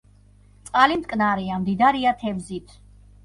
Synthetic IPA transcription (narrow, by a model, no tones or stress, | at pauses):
t̪sʼqʼalimt̪kʼnaɾiamd̪id̪aɾiat̪ʰɛbzit̪ʰ